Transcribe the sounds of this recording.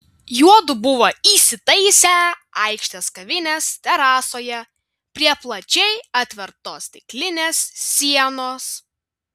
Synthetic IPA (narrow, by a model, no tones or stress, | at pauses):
juɔd̪ʊbʊʋoːiːsʲɪt̪ɐɪsʲæːɐˑɪkʃʲt̪ʲɛskɐʋʲɪnʲeːst̪ʲɛɾɑːsoːjɛ | pʲɾʲiɛplˠɐt͡ʃʲɛɪɐt̪ʲʋʲɛɾt̪oːst̪ʲɪklʲɪnʲeːssʲiɛnoːs